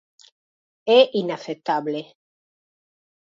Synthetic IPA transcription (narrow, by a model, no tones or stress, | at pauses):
eʔinaθet̪aβle